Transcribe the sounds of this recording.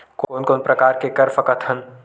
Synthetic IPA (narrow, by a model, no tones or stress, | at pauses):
koːnkoːnpɾɐkaːɾkekɐɾfɐkət̪ʰən